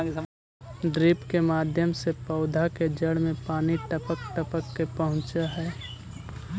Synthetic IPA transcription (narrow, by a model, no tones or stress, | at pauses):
ɖɾiːpkemaːd̪ʱjəmsepəʊd̪ʱaked͡ʒəɽmẽpaːniʈəpək̚ʈəpəkːepəɦʊ̃t͡ʃaɦɛː